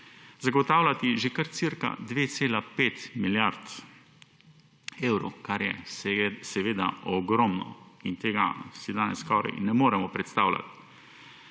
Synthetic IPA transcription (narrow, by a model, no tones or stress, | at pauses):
zaɡɔt̪aːwlat̪iʒekaɾt̪siɾka̰d̪ʋeːt̪seːlapeːt̪miljaɾt̪ | eːwɾɔkaɾjɛ̰ssɛʋeːd̪a̰ɔɡɾɔmnɔ̰int̪eːɡa̰sid̪aːnɛsːkɔːɾɛ̰jnɛmoːɾɛmɔpɾɛt̪st̪aːwlʲa̰t̪